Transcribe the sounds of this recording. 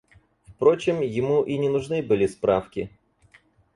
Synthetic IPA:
fpɾo̞t͡ɕɪmjɪmuʔinʲɪnʊʐnɨbɨlʲɪspɾafkʲɪ

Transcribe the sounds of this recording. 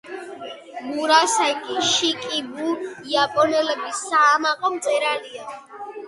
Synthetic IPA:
muɾasakʼiʃikʼibuiapʼɔnɛlɛbisaːmaqʼɔmt̪sʼɛɾalia

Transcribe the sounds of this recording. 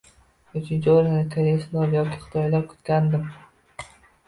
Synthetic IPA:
ʊt͡ʃʰɪnd͡ʒoɾanɪkʲʰaɾeslˠaɾjɒkʲʰiχɨ̥t̪ʰɒjlaɾkʰʊ̥t̪kʲand̪ɪm

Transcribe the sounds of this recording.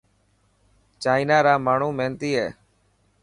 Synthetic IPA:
t͡ʃaːɪnaːɾaːmaːɳ̤uːmeːnt̪iːɦɛː

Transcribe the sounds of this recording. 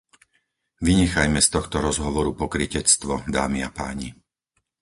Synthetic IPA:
ʋiɲɛxajmɛst̪ɔxt̪ɔɾɔzɦɔʋɔɾupɔkɾicɛt͡st̪ʋɔd̪aːmia̰paːɲi

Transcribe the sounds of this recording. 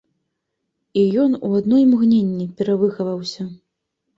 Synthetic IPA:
ijɔnṵad̪nɔjmɣnʲenʲːipʲɛɾavɨxɐvɐwsʲɐ

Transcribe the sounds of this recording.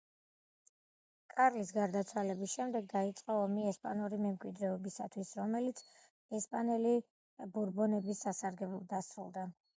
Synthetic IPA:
kʼaɾlis̬ɡaɾd̪at̪sʰwalɛbisʃɛmd̪ɛɡ̚d̪ait̪sʼqʼɔɔmiɛspʼanuɾimɛmkʼwid̪ɾɛɔbisa̰t̪ʰwisɾɔmɛlit̪sʰ | ɛspʼanɛli | buɾbɔnɛbisːasaɾɡɛblɔd̪asɾulˠd̪a

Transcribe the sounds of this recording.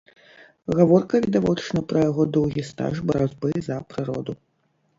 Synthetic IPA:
ɣavɔrkɐvʲid̪avɔt͡ʂɨnɐpɾɐjaɣɔd̪ɔwɣʲist̪a̰ʐbɐɾad͡zʲbɨzɐpɾɨɾɔ̰d̪u

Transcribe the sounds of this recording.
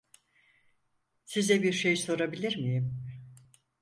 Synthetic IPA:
sizɛbiɾʃe̞jso̞ɾabilʲiɾmijim

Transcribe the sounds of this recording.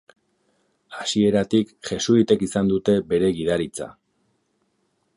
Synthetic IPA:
asie̞ɾat̪ikʝe̞suit̪e̞kisand̪ut̪e̞be̞ɾe̞ɣiðaɾit͡sa̰

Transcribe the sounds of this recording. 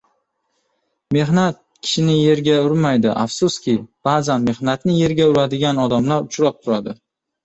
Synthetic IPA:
me̞ɦnat̪̚kʲʰɪ̥ʃɪnɪje̞ɾɡʲaʊɾmajd̪ɪʔafsʊskʲɪb̥aːzanme̞hnat̪nɪje̞ɾɡʲaʊɾad̪ɪɡʲanɒd̪amlaɾʊt͡ʃʰɾap̚t̪ʰʊɾad̪ɪ

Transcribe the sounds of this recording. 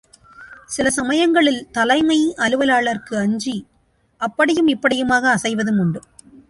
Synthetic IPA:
sɪlɐsɐmɐjɐŋɡɐɭɪlt̪ɐlɐɪmɐɪʔɐlɯʋɐlaːɭɐrkɯɐɲd͡ʒi | ʔɐpːɐɽɪjɯmɪpːɐɽɪjɯmaːɣɐːsɐɪʋɐðɯmʊɳɖɯm

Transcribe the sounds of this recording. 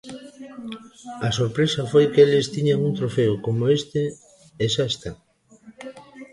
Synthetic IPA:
ɐsoɾpɾesɐfojkelɪst̪iɲaŋuŋt̪ɾofeʊkomoest̪ɪ | esaest̪a

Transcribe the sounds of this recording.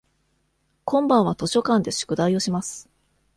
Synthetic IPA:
kõ̞mbãɰ̃βat̪o̞ɕo̞kãnd̪e̞ɕɨ̥kɯ̟d̪aio̞ɕimasɨ̥

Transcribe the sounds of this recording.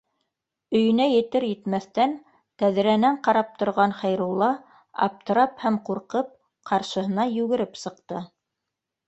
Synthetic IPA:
ɵ̆jɵ̆næjɘ̆t̪ɘɾjɘ̆t̪mæθt̪æn | t̪æðɘ̆ɾænæɴqɑɾɑp̚t̪ŏɾʁɑnχæjɾulˠːɑ | ɑ̰p̚t̪ɤ̆ɾɑphæmquɾqɤp̚ | qʰɑɾʃɤ̆ɦɤ̆nɑjʉɣɘ̆ɾɘpsɤ̆qt̪ɤ

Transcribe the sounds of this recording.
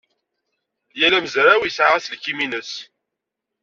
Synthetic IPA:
jælæmzɾawiəsʕaʁæslkːiminəs

